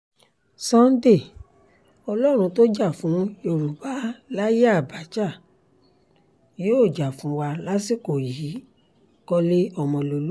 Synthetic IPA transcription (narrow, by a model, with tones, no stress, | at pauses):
sã˦n̩˦de˦˨ | ɔ˧lɔ˦ɾ̃ũ˧to˦d͡ʒa˦˨fũ˨˦o˧˨ɾu˨ba˨˦la˦ja˦˨ba˨˦d͡ʒa˦˨ | joː˦˨d͡ʒa˨fũ˨˦wa˧la˦si˦˨ko˨ji˨˦ | kɔ˧le˦ɔ˦˧mɔ̃˧lo˧lu˦